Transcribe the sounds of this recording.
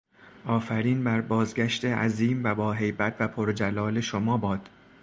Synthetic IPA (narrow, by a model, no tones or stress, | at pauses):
ʔɒːfæɾiːnbæɾbɒːzɟæʃt̪ʰeʔæ̰ziːmvæbɒːɦe̞jbæt̪ʰvæpʰoɾd͡ʒælɒːle̞ʃomɒːbɒːd̪̥